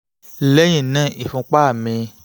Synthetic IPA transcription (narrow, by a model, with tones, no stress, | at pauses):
lɛ˦j̃ĩ˦˨nã˦˨ʔi˨fũ˧k͡pa˦˨mĩ˧